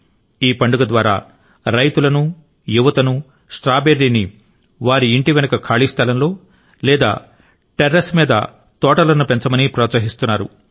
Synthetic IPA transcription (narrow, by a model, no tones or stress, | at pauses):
iːpɐɳɖuɡɐd̪ʋaːɾa̰ː | ɾɐjt̪ulɐnu | juʋɐt̪ɐnu | sʈɾaːbeɾːini | ʋaːɾiːɳʈiʋɛnɐkɐkʰaːɭist̪ʰɐlɐnlo̞ː | lɛːd̪a̰ː | ʈeɾːɐsmiːd̪ɐ̰ | t̪ɔːʈɐlɐnupent͡ʃɐmɐnipɾɔːt̪sɐɦist̪unːaːɾṵ